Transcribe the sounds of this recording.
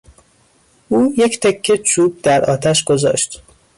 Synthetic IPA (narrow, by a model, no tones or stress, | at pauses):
uːje̞cʰt̪ʰekʰːet͡ʃʰuːb̚d̪æɾʔɒːt̪ʰæʃɡ̥ozɒ̰ːʃt̪